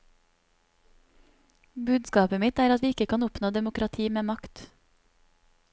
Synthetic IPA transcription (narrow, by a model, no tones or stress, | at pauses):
bʉːd̪skɑːpəmɪt̪æːɾɑt̪ʋiːɪkəkʰɑnʊpnoːd̪ɛmʊkɾɑt̪ʰiːmeːmɑkt̪